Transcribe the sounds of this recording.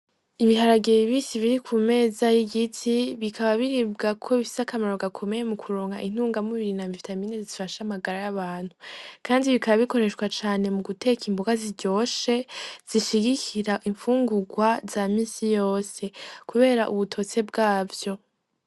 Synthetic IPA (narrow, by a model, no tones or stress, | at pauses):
iβiɦaɾaɡeβiβiːsiβiɾikʰume̞ːzajiɡitʰiβikʰaβaβiɾiːb̚ɡakʰo̞βifi̥sakamaɾo̞ɡakʰo̞me̞je̞mukʰuɾoːŋɡa̰ʔin̥uːŋɡamuβiɾinaːmvifitaminezizifaʃamaɡaɾajaβaːn̥hukʰaːndiβikʰaβaβiko̞ɾe̞ʃkwat͡ʃaːne̞muɡute̞kimboɡaziɟo̞ːʃe̞z̥iʃiɡikʰiɾaʔiɱfuːŋɡuɡwazamiːsijo̞ːse̞kuβe̞ːɾaʔuβutʰo̞t͡se̞bɡaːvjo̞